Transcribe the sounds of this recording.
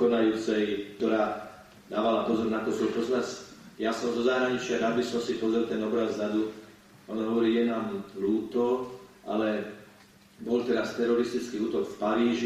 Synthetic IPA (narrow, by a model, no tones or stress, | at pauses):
kɔnajuːt͡sɛjkt̪ɔɾaː | d̪aːʋalapɔzɔɾnat̪ɔsɔlp̪ɔsmasjasɔmzɔzaɦɾaɲit͡ʃɪaɾaːd̪bisɔmsipɔzɾɛlt̪ɛnɔbɾazɾad̪u | ɔnɦɔʋɔɾiːjɛnaːmluːt̪ɔʔa̰lɛ | bɔlt̪ɛɾast̪ɛɾɔɾist̪it͡skiuːt̪ɔkfpaɾiːʒi